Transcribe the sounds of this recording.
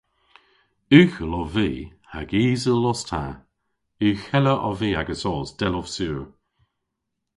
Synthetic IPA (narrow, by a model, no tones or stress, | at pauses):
ʉːxəlɔviːhaɡiːzəlːɔstʰa̰ | ʉːxɛləʔɔviːaɡəsɔːsd̥ɛlɔv̥suːɹ